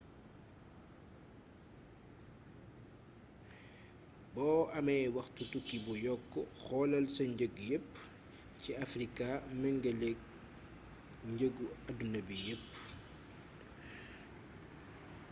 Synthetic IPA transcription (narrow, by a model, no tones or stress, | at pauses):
bɔːʔɐmɐjwɐxtutukːibujɔkːɔxɔːlɐlsɐɲɟəɡjəp | ciɐfrikamɛŋɡɐlɛk̚ | ɲɟəɡuɐdunɐbijəpː